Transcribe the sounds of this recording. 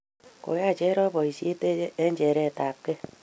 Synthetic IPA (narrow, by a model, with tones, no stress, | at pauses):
ko̰˨ja˦˨t͡ʃɛ˦ɾɔ˦bɔ˨i˨sje˦te˦ɛ˦ɲd͡ʒɛ˨ɾɛ˦˨ta˨p̚ke˦